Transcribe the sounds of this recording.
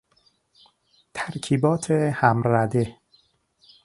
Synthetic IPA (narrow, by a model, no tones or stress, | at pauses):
t̪ʰæɾcʰiːbɒːt̪ʰehæmɾæd̪e̞